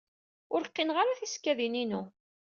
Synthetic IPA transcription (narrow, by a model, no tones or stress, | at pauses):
ʊɾqːinʁaɾaθiskːæðininu